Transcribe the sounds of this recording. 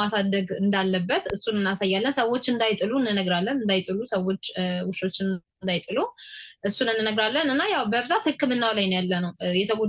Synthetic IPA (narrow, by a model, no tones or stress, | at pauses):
asad̪əɡɨnd̪alːəbːət̪ɨsːunɨnːasajːalːənsəwːo̞t͡ʃːɨnd̪ajt̪ʼɨluɨnːɨnəɡɾalːənɨnd̪ajt̪ʼɨlusəwo̞t͡ʃːwʊʃo̞t͡ʃːɪn | nd̪ajt̪ʼɨluʔɨsːunɨnːɨnəɡɾalːənɨnːajawbəβɨzat̪hɨkːɨmɨnːawlajnjalːənəwjɛt̪ʰəɡo